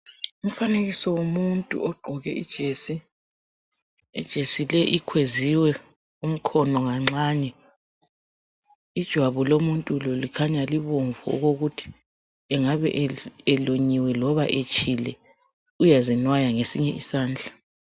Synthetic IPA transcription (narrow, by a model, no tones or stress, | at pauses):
um̩faneɣisɔwomuntʼṵɔɡ͡ǃʱɔɣɛʔḭd̥ʒ̥ʱesi | ɛd̥ʒ̥ʱesilɛʔikʰweziwɛ | um̩kʰɔnɔŋaŋ͡ǁaɲɛ | id̥ʒ̥ʱwaβɔlomuntʼulolikʰaɲaliβoɱvṵːɣoɣutʰi̥ | ɛŋaβɛ̰ʔɛloɲiwɛlɔβaʔet͡ʃʼilɛ | ujazinwajaŋesiɲɛʔisaːnd͡ɮʱa